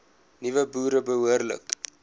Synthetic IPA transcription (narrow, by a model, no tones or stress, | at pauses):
nivəbuːɾəbəɦuərlə̰k